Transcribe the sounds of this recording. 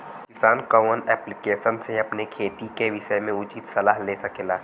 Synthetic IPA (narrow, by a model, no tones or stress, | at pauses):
kɪsaːnkəmənɛːplɪkeːʃənseɐpnekʰeːt̪ikeʋɪʃəmẽʊt͡ʃit̪sɐlaːɦleːsɐkeːlaː